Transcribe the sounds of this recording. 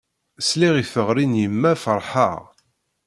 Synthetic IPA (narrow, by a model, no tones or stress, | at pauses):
sliʁifəʁɾinjəmːæfəɾˤħəʁ